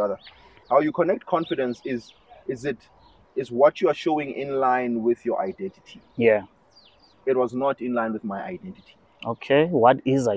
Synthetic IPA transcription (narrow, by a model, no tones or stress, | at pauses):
aðə | hawjukʰɔnɛk̚t̚kʰɔ̃nfidɛ̃nsɪz | ɪzɪt | izwɔtʰjuaʃowĩŋḭ̃nlãjnwɪθjɔʔajdɛ̃ntʰi̥tʰijæ | it̚wɔznɔtĩnlãj̃nwɪθmajʔa̰jdɛ̃ntitʰi̥ | okʰewɔtiza